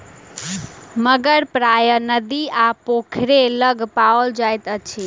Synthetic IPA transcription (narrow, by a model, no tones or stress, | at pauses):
məɡəɾpɾajənəd̪iapokʰɾeləɡpaold͡ʒajt̪ət͡ʃʰi